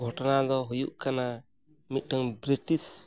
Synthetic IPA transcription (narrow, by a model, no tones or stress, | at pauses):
ɡʱɔʈɔnad̪ɔɦujuʔkana | mit̪̚ˀdaŋbɾiʈis